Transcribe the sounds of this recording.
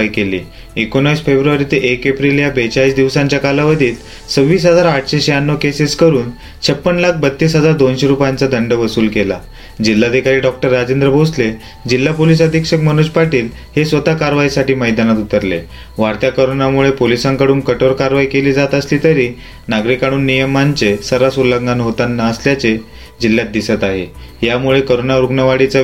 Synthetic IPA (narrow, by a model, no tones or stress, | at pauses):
ikelḭː | ekonəisfebɾuʋaɾit̪eʔekepɾiljabet͡ɕaiːsd̪iʋsãɲt͡ɕjakalaʋəd̪ʱiːl | səʋʋːiːsɦəd͡zaɾaʈʰɕeɕejanːokeseskəɾuːn | t͡ɕʰəpːənlak̚ʰbət̪ːiːsɦəd͡zaɾd̪onɕeɾupjant͡sad̪ʱəɳɖəʋəsuːlkela̰ | d͡ʑilːaːd̪ʱikaɾiːɖɔk̚ʈəɾːad͡ʑend̪ɾəbʱosle | d͡ʑilːapolis̬əd̪ʱikʂək̚mənuspaʈiːl | hesʋət̪akaɾʋaisaʈiːməjd̪anat̪ut̪əɾle | ʋaɾt̪jakəɾonamuɭepolisãŋkəɽuːnkəʈoɾkaɾʋaikeliːd͡zat̪əsliːt̪əɾiː | naɡɾikaɽ̃uːnːijəmaɲt͡sesəɾasulːəɡɡanɦot̪anːaːsljat͡se | d͡ʑilːjat̪̚d̪isət̪aɦḛɦjamuɭekəɾonaɾuɡnəʋaɽit͡sa